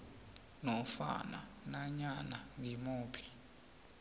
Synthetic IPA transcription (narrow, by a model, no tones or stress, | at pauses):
nɔfa̰na̰ | naɲanaŋimuːpʰi̥